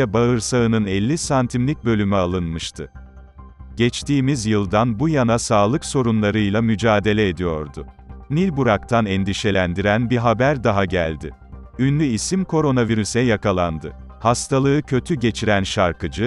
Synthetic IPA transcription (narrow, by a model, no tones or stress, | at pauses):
ɛbaɯɾsaɯnɯnɛlʲːisant̪ʰimlʲic̚bø̞lʲymɛalˠɯnmɯʃt̪ʰɯ | ɟ̥ɛt͡ʃt̪ʰiːmizjɯlˠd̪anbujanasaːlˠɯkso̞ɾunlˠaɾɯjlˠamyd͡ʒaːd̪e̞lʲɛed̪ijo̞ɾd̪ʊ | nilʲbuɾak̚t̪ʰanɛnd̪iʃe̞lʲænd̪iɾænbiɦabæɾd̪aɦaɟæ̰lʲd̪ɪ̰ | ynlʲyisimkʰo̞ɾo̞naviɾysɛjakalˠand̪ɯ | hast̪ʰalˠɯɯcʰø̞t̪ʰyɟe̞t͡ʃʰiɾænʃaɾkʰɯd͡ʒɯ